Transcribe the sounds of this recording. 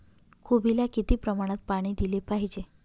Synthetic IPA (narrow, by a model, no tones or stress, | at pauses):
kʰubilakit̪iːpɾəmaɽ̃at̪̚paɽ̃iːd̪ilepaɦid͡ʑe